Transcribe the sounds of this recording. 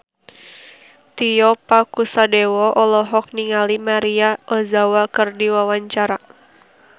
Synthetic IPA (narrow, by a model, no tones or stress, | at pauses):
t̪ijɔpakusadɛwɔʔɔlɔɦɔk̚niŋalimaɾiaʔɔzawakɨrdiwawaɲt͡ʃaɾa